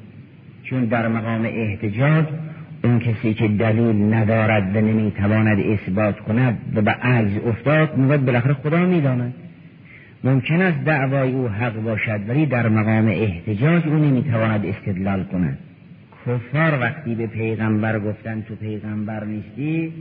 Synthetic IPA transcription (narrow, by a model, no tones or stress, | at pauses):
t͡ʃʰund̪æɾmæɣɒːmḛʔeht̪ʰed͡ʒɒːd͡ʒunkʰesiːkʰed̪æliːlnæd̪ɒːɾæd̪vænemiːt̪ʰævɒːnæd̪esbɒːt̪ʰkʰonæd̪væbeʔæɡzoft̪ɒːd̪̚miːɡoæd̪̚belæxæɾexod̪ɒːmiːd̪ɒːnæd̪̥ | momkʰenæst̪̚d̪æʔvɒːjeuːɦæɣbɒːʃæd̪væliːd̪æɾmæɣɒːmeʔeht̪ʰed͡ʒɒːd͡ʒuːnemiːt̪ʰævɒːnæd̪est̪e̞d̪lɒːlkʰonæ̰d̪̥ | kʰofːɒːɾvæxt̪iːbepʰe̞jɣæmbæɾɡoft̪ænt̪ʰopʰe̞jɣæmbæɾniːst̪iː